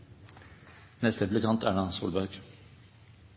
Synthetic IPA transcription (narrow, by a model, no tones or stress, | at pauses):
nɛst̪əblɪkʰɑnt̪ʰæːɖɑːsṵːlbœʉɡ̥